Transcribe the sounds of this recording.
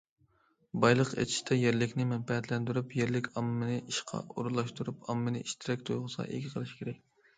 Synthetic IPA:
bɑjlˠəqḛt̪ʰi̥ʃt̪ʰɛjeɾlɪkʲnɪmɛnpɛɦɛt̪lɛnd̪yɾupjeɾlɪkʲɑmːɨnɨʔiʃqʰɑ̰o̰ɾlˠɑʃt̪uɾupʰɑmːɨnɨʔiʃt̪ʰɪɾɛk̚ʲt̪ʰojʁʊsɑ̰ʔḛɡʲɪqʰəlˠɨʃkʰʲeɾɛk̚ʲ

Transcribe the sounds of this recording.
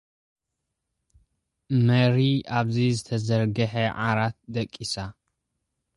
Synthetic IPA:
mɐɾiaβzizɨt̪ʰɐzɐɾɡɐħeʕa̰ɾat̪̚d̪ɐkʼːisa

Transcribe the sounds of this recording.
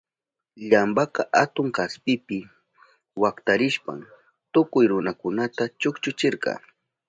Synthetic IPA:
ʎambaqɑʔat̪ʊŋkaspɪpɪ | wakt̪aɾɪʃpa̰m | t̪ʊkʊjɾʊnakʊnat̪at͡ʃʊkt͡ʃʊt͡ʃɪɾqɑ̰ː

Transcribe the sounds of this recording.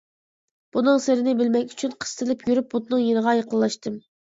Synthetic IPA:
b̥unɨŋsɪɾɪnɪbɪlmɛkʲy̥t͡ʃʰynqʰə̥st̪ʰɨlɪpjyɾyp̚but̪nɨŋjenəʁɑjɑqəlˠːɑʃt̪ɨm

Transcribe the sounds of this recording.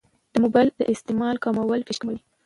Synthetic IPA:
d̪̥əmobajld̪ə̰ʔɪst̪ɪmɑlkɑmawəlfɪʃkmaɽi

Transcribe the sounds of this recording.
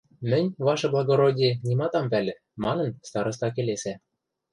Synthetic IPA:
mɘ̆nʲβɑʃɤ̆blˠɑɡoɾodʲenʲimɑt̪ɑmpælʲɘ̆ | mɑnɤ̆nst̪ɑɾɤ̆s̬t̪ɑk̬elesæ

